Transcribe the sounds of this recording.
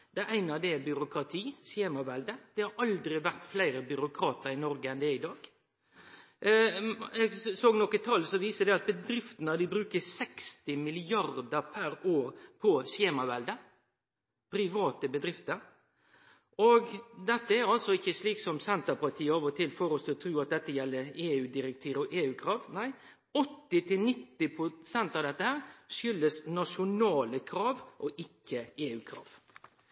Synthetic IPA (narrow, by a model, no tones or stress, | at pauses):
d̪̥ɛæʔæɪnɑd̪ɛbʏɾʊkʰɾɑt̪ʰiːsjeːmɑʋɛld̪əd̪̥ɛhɑɾʔɑld̪ɾɪʋæɾt̪flæɪɾəbʏɾʊkʰɾɑːt̪əɾɪnɔɾɡəɛnd̪ɛɪd̪ɑːɡ | ɛɡsoːɡnɔkːət̪ʰɑːlsɔʋiːsəd̪ɛɑt̪̚bəd̪ɾɪft̪ənəd̪ɪbɾʉːkəsɛkst̪ɪmɪlɪɑɾd̪əpʰæɾoːɾpʰɔseːmɑʋɛld̪ə | pʰɾɪʋɑːt̪əbəd̪ɾɪft̪əɾ | oɡd̪ɛt̪ːəæɾɑlsɔɪçːəsliːksɔmsɛnt̪əpʰɑʈ̪ʰiːəoːʋət̪ʰɪlfɔɾɔsɔt̪ʰɾʉːɑt̪̚d̪ɛt̪ːəjɛlːəeːʉːd̪ɪɾɛk̚t̪ʰiːɾɔʔeːʉːkʰɾɑːʋnæɪ | ɔt̪ːɪt̪ʰɪlnɪt̪ːɪpʰʊsɛnt̪ɑːʋd̪ɛt̪ːəhæːɾʃʏlːəsnɑʂʊnɑːləkʰɾɑːʋʔɔʔɪkːəeːʉːkʰɾɑ̰ːʋ